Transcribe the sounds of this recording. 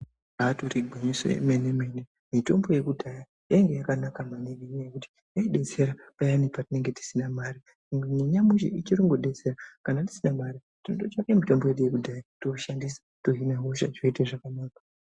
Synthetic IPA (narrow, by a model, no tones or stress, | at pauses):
aturiɡʱweɲiso̰jḛmeneme̞ne | mito̞mbo̞je̞kudʱaja | jaŋɡe̞jakanakamaneriɲejekuti̥ | jaiɗe̞t͡se̞ɾapajanipatine̞ŋɡe̞ti̥sinamaɾi | iŋɡneɲamuʃḭit͡ʃiɾuŋɡoɗet͡se̞ɾakanati̥sinamaɾi | tinotot͡ʃake̞mito̞mboje̞ɗujekudʱajatoʃandisḁtoɦineɦoʃa̰d͡ʒoiteʐakanaːka